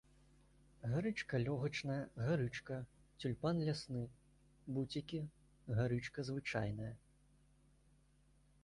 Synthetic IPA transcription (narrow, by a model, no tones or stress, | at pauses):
ɣaɾɨt͡ʂkɐlʲɔɣɐt͡ʂnɐjɐɣaɾɨt͡ʂkɐ | t͡sʲulʲpanlʲasnɨ | but͡sʲikʲi | ɣaɾɨt͡ʂkɐzvɨt͡ʂajnɐjɐ